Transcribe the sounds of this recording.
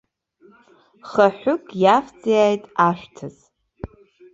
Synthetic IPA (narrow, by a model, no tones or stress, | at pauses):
χaħʷʊkʼjaft͡sʼijajtʼaʃʷᶣtʰɨz